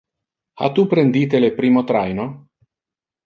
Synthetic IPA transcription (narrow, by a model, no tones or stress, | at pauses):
a̰t̪ːupɾend̪iːt̪elepɾiːmot̪ɾajno